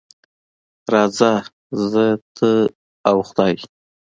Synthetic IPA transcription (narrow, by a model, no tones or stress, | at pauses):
ɾɑza | zət̪ʰə | awxʊd̪ɑj